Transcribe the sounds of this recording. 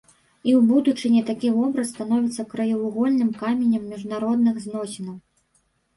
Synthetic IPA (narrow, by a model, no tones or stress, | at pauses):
iwbud̪ut͡ʂɨnʲɛt̪akʲivɔbɾɐsːt̪an̪ɔvʲit̪sːɐkɾɐjɐvuɣɔlʲnɨmkamʲenʲɐmːʲiʐnaɾɔd̪̚nɨɣznɔsʲɛnɐw